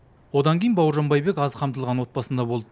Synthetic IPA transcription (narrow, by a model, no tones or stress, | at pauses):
wo̞d̪ɑŋkʲejənbɑwəɾʒɑnbɑjbe̞kɑzqʰɑmt̪əlˠʁɑnwo̞t̪̚bɑsənd̪ɑbo̞lˠd̪ə